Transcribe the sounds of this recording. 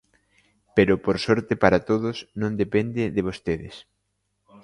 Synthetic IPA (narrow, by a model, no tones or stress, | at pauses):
peɾʊpoɾsɔɾt̪ɪpaɾat̪oðʊsnõnd̪epend̪ɪðɪβost̪eðɪ̰s